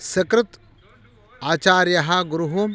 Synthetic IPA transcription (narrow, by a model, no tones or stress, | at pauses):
sɐkɾut̪ | aːt͡ʃaːɾjɐɦɐɡɾuɦu